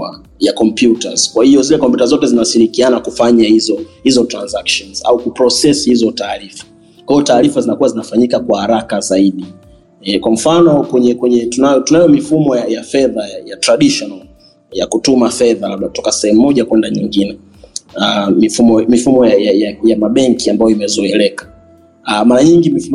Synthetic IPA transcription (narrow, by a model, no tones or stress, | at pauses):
a | jakɔmpjuta̰z̥kwahiɔzilɛkɔmpjutazɔtɛzinasiɾikianakufaɲahizɔhizɔtɾanzakʃɔnz̥a̰ukupɾɔsɛsihizɔtaːɾifḁ | kwahijɔtaːɾifazinakuwazinafaɲikakwahaɾakazaiɗi | ɛkwam̩fanɔkwɛɲɛkwɛɲɛtunajɔtunajɔmifumɔjajafɛðajajatɾaɗiʃɔnal | jakutumafɛðalaɓautɔkasɛhɛmuːɔʄakwɛndaɲiŋɡinɛ | amifumɔmifumɔjajajajamaɓɛŋkiambajɔimɛzɔɛlɛkḁ | maɾaɲiŋɡimif